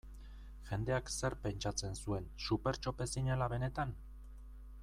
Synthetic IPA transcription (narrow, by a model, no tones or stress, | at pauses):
ʝe̞nd̪e̞akse̞ɾpe̞nt͡ʃat͡se̞nsue̞nsupe̞ɾt͡ʃo̞pe̞siɲelaβe̞ne̞t̪an